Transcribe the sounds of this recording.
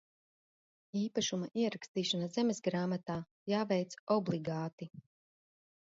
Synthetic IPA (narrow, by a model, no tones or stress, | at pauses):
iːpaʃumaʔiɛɾakst̪iːʃanazɛmezɡɾaːmat̪aː | jaːvʲɛjt̪sɔblˠiɡaːt̪i